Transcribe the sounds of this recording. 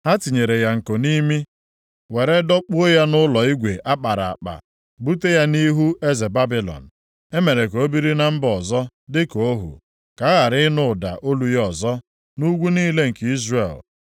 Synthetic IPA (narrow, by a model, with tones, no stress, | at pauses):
a˦ti˨ɲe˨ɾe˨ja˨ŋ̩˨ko˨ni˦mi˦ | we˨ɾe˦dɔ˦k͡pu˦o˦ja˦nʊ˦lɔ˨i˦ɡʷe˨ʔa˦k͡pa˨ɾa̰˨a̰˨k͡pa̰˨ | bu˦te˦ja˦ni˦ɦu˦e˦ze˨ba˦bi˦lɔ̰˨n̩˨ | e˦me˨ɾe˨ko˨o˦bi˦ɾi˦na˦m̩˦bɔ˨zɔ˦ | dɪ˦ko˦ɦṵ˨ | ka˨˦ɣa˨ɾɪ˦nʊ˦˨da̰˨ʔo˦lu˨jɔ˨zɔ˦ | nu˦ɡʷu˦ni˦le˦ŋ̩˨ki˦zrḛ˨l